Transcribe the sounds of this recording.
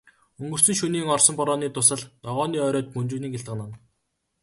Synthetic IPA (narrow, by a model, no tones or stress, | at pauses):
ɵŋɡɵ̆r̥sɵ̆ŋʃuniːŋɔrsɞ̆mpɔɾɔːniːt̪ʊsə̆ɮnɔʁɔːniːœːɾɔːt̪̚mɵnt͡ɕuːniːkɪɬt̪ɢə̆nan